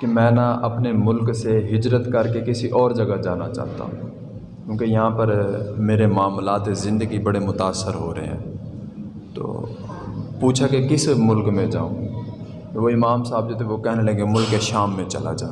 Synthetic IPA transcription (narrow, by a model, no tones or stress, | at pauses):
kimɛ̃ːnaʔɐpnemʊlkseɦɪd͡ʒɾət̪kɐɾkekɪsiʔɔːɾd͡ʒɐɡad͡ʒaːnat͡ʃa̰ːɦt̪a̰ɦṵ̃ | kjũːkejɐɦãpəɾmeːɾemaːmlaːt̪ezɪ̃nd̪əɡibɐɽemʊt̪aːsːəɾɦoːɾɐ̰ɦḛɦɛ̰̃ː | t̪o̰ː | puːt͡ʃʰakekɪsmʊlkmẽd͡ʒa̰ːṵ̃ːɡ | ʋoɪmaːmsaːbd͡ʒoːt̪ʰeʋokɛɦnelɐ̃ŋɡemʊlkːeʃaːmːẽt͡ʃɐ̰la̰d͡ʒa̰ː